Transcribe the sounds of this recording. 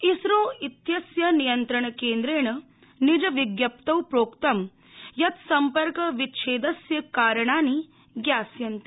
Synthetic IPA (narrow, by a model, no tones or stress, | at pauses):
isɾoːit̪jɐsjɐnijɐnt̪ɾɐɳɐkeːnd̪ɾeːɳɐ | nid͡ʒɐʋiɡjɐp̚t̪ɐwpɾoːkt̪ɐm | jɐt̪sɐmpɐɾkɐʋitːʃʰeːd̪ɐsjɐkaːɾɐɳaːni | ɡjaːsjɐnt̪i̥